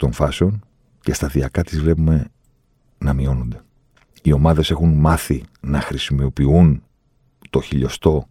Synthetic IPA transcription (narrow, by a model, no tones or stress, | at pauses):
t̪o̞ɱfɐse̞o̞n | ce̞st̪ɐðiɐkɐt̪izvle̞pume̞ | nɐmio̞nond̪e̞ | io̞mɐðe̞se̞xunmɐθinɐxɾisimopiun | t̪o̞çiʎo̞st̪o̞